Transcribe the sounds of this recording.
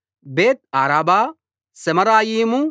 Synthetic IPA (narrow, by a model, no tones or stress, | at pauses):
beːt̪̚aːɾaːbaː | sɛmɐɾaːjiːmu